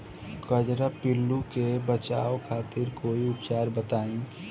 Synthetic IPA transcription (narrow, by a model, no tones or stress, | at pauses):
kəd͡ʒɾapɪlːukebət͡ʃaːokʰaːt̪ɪɾkoːiʊpt͡ʃaːɾbət̪aːĩ